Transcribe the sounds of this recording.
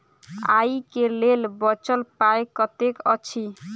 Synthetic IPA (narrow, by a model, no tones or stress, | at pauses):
a̰jkelelbɔt͡ʃəlpaekɔt̪ekʌt͡ʃʰi